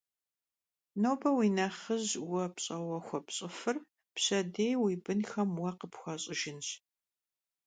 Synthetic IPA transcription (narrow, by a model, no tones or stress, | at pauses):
noːbɐwiːnɐχəʑwɐpɕʼɐwɐxʷɔpɕʼɪfɨr | pɕɐdejwiːbɨnxɐmwɐqəpxʷɐɕʼɪʒɪnɕ